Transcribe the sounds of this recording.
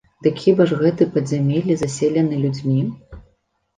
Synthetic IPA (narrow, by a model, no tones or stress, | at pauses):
d̪ɨkʲʰibɐʐɣɛt̪ɨpɐzʲamʲelʲizasʲelʲɛnɨlʲud͡zʲmʲi